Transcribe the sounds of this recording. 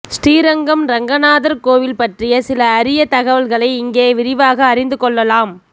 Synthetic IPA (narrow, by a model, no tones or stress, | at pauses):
sʈiːɾɐŋɡɐmɾɐŋɡɐnaːðɐɾkoːʋɪlpɐʈrɪjɐsɪlɐːɾɪjɐt̪ɐɣɐʋɐlɣɐɭɐɪɪŋɡeːʋɪɾɪʋaːɣɐːɾɪnd̪ɯkɔɭːɐlaːm